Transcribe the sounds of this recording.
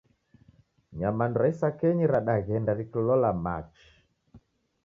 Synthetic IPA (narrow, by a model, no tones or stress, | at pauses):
ɲamandɔɾaisakɛɲiɾaɗaɣɛndaɾikɔlɔlama̰t͡ʃi̥